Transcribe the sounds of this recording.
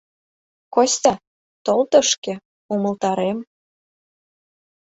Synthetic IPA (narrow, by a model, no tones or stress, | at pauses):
kosʲt̪ʲɑ | t̪olt̪ə̆ʃkĕ | umə̆lt̪ɑɾem